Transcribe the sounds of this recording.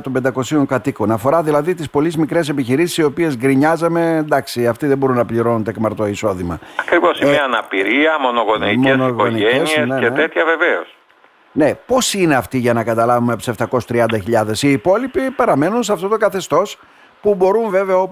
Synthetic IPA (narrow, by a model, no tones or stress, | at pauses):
t̪o̞mbe̞nd̪ɐko̞sioŋkɐt̪iko̞nɐfo̞ɾɐðilɐðit̪ispo̞lizmikɾe̞se̞piçiɾisi̥sio̞pie̞zɡɾiɲɐzɐme̞end̪ɐksiɐft̪iðembo̞ɾunːɐpliɾo̞nunt̪ekmɐɾt̪o̞iso̞ðimɐɐkɾivo̞siiɐnɐpiɾiɐmo̞noɣoniimesnoɣoonieesiiesneet̪et̪çɐve̞veos | ne̞po̞sine̞ɐft̪iʝɐnɐkɐt̪ɐlɐvumepseft̪ɐko̞sst̪ɾiɐnd̪ɐçiʎɐðe̞siːpo̞lipipeɾɐme̞nuns̬ɐft̪o̞t̪okɐθe̞st̪o̞s | pubo̞ɾuɱve̞veɐo